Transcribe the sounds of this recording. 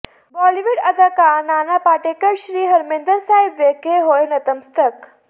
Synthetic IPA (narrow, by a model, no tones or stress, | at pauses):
bɔːliʋuɽɐd̪əkanaːnapaːʈekəɾɕɾiːɦɐɾmẽːnd̪əɾsaːɦibʋeːkeɦoːjnɐt̪əmst̪ək